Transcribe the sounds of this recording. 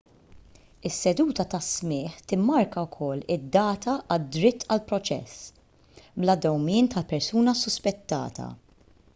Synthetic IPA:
ɪsːɛd̪uːt̪ɐt̪ɐsmɪːħt̪ɪmːɐɾkɐwkʰɔlːɪd̪ːɐːt̪ɐʔɐd̪ɾɪt̪ːɐlpɾɔt͡ʃɛ̰sː | blɐd̪ɔwmɪːnt̪ɐlpɛɾsuːnɐsʊspɛt̪ːɐ̰ːt̪ʰɐ̰

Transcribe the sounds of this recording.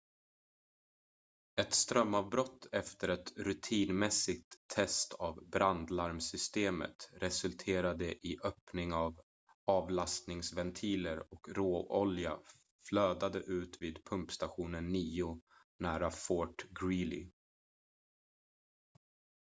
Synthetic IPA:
ɛt̪st̪ɾœmːɑvbɾɔt̪ʰːɛft̪əɾɛt̪ɾɵt̪ʰiːnmɛsɪɡ̚t̪ʰːɛst̪ʰavbɾand̪laɾmsʏst̪eːmə̰t̪ɾɛsɵlt̪ʰeːɾad̪əʔɪʔœːpnɪŋav | ɑːvlast̪nɪŋsvɛnt̪ʰiːləɾɔkɾoːɔlja̰ | fløːd̪ad̪əʔʉ̟ːt̪viːd̪pʰɵmpst̪aɧuːnənːiːʊ | næːɾafoːʈɡɾiːlɪ̰

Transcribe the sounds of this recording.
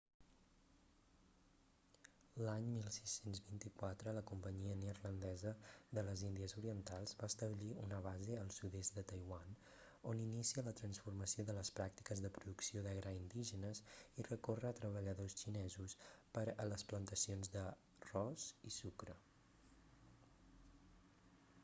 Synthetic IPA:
laɲmilˠsisenzβint̪ikwat̪ɾələkumpəɲiəneɾlənd̪ɛzəðələzind̪iəzuɾiənt̪alˠzβast̪əβliunəβ̞azeəlˠsuðesd̪ət̪əjwan | oninisiələt̪ɾənsfurməsioðələspɾak̚t̪i̥kəzðəpɾuðuksioðɛɣɾəind̪iʒənəsirəkorəːt̪ɾəβəʎəðost͡ʃinɛzuspəɾələsplənt̪əsionzðə | rɔsisukɾə

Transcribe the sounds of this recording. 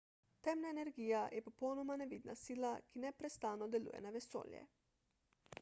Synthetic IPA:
t̪ɛmnaenɛɾɡiːjajɛpɔpownɔmanɛʋid̪na̰siːlakinɛpɾɛst̪aːnɔd̪ɛlṵːjɛ̰naʋɛso̰ːljɛ̰

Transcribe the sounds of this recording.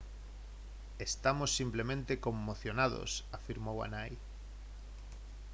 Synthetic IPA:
est̪amosːimplemẽnt̪ekomːoθjonað̞o̰safiɾmowa̰naj

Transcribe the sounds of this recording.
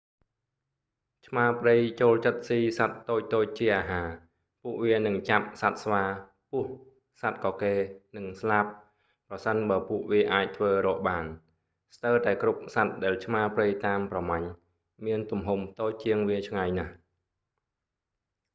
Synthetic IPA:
t͡ɕʰmaəprɨjt͡ɕoːlt͡ɕət̪̚siːsat̪̚ːoːc̚t̪oːc̚t͡ɕiəʔaːɦaː | puəʔʋiənɨŋt͡ɕap̚sat̪̚sʋaː | puəh | sat̪̚kɑːkeːnɨŋslap̚ | prɑsənɓaːpuəʔʋiəʔaːc̚t̪ʰʋəːrɔːʔɓaːn | st̪əwt̪aɛkrup̚sat̪̚ɗaɛlt͡ɕʰmaəprɨjt̪aːmprɑmaɲ | miənt̪umɦump̚ʰt̪oːc̚t͡ɕiəŋʋiət͡ɕʰŋajnah

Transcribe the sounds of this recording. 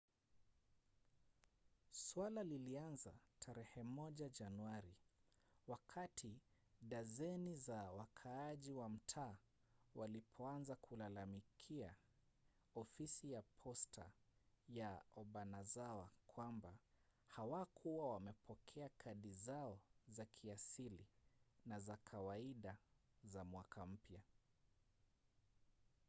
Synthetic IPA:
swalalilianzatʰaɾɛhɛmɔʄaʄanuaɾiwakʰatʰiɗazɛnizawakʰaːʄiwam̩tʰaː | walipʰɔanzakʰulalamikʰia | ɔfisijapʰɔstʰa̰jaɔɓanazawakwambahawakʰuwawamɛpʰɔkʰɛakʰaɗizaɔzakʰiasilinazakʰawaiɗa | zamwakam̩pja

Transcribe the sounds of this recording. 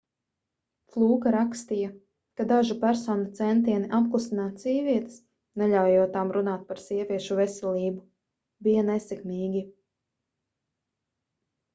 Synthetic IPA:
flˠuːkaɾakst̪ija | kad̪aʒupæɾsɔːnat̪sɛnt̪̬iɛniʔap̚klˠusinaːt̪ziːvʲiɛt̪ɪ̥s | nɛʎʲawjuɔt̪amɾunaːt̪̚paɾsiɛvʲiɛʃuvɛsɛlʲiːbu | bijanɛsikniːɡʲi

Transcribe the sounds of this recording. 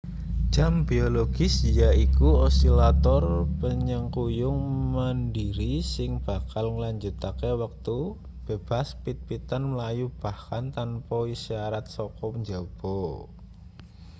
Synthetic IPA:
d͡ʒ̥ambioloɡ̥ɪsjaikuosilat̪ɔrpəɲəŋkujʊŋməndiɾisɪŋb̥a̤kalŋəlaɲd͡ʒut̪akewak̚t̪u | b̥eb̥aspit̪̚pit̪anməlajub̥ahkant̪anpɔisaɾat̪̚sɔkɔpəɲd͡ʒaub̥o

